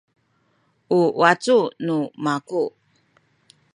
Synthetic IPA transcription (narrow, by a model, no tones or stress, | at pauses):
ʔuwat͡sunumaku